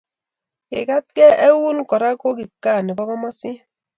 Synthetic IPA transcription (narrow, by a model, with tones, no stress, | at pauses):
kḛ˨ka˦t̪̚kɛ˦ʔɛ˦wu˦nkɔ˨ɾa˦ko˦ki˨kːa˦˨ni˨bɔ˦kɔ˦ma˦si˦